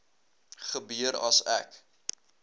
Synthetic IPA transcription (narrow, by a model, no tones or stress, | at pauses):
χəbyəɾɐsæ̰k